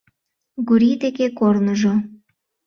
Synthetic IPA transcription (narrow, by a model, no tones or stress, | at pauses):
ɡuɾid̪ekekornəʒo